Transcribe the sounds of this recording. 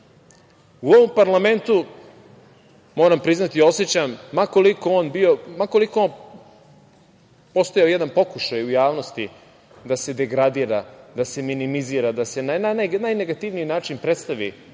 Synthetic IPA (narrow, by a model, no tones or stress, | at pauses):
uo̞ʋompaɾlˠame̞nt̪u | mo̞ːɾampɾiznat̪io̞set͡ɕamːakolikooːnbiomako̞liko̞on | po̞st̪ojaojed̪anpo̞kuʃajujaːʋno̞st̪i | d̪ase̞d̪e̞ɡɾad̪iːɾad̪ase̞minimiziːɾad̪ase̞naananajneɡat̪iʋnijinaːt͡ʂinpɾet̪st̪aʋḭ